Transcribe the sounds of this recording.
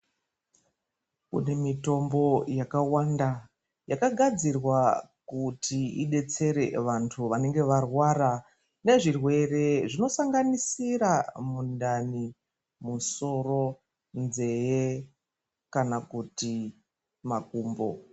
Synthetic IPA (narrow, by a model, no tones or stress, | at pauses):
kṵne̞mito̞mbo̞jakawanda | jakaɡʱad͡zirwakutiiɗe̞t͡se̞ɾe̞̰ʋantʰuʋane̞ŋɡe̞ʋarwaɾa | ne̞ʐirwe̞re̞ʐino̞saŋɡanisiramundani | muso̞ro̞ | nze̞je | kanakuti | makuːmbo̞